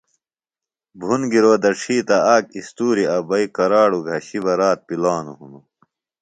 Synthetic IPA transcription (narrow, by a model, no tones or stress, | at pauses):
bʱunɡiɾoːd̪ɐʈ͡ʂʰiːt̪ɐaːkist̪uːɾiɐbɐikɐɾaːɽuɡʱɐɕibɐɾaːt̪̚pilaːnuɦunu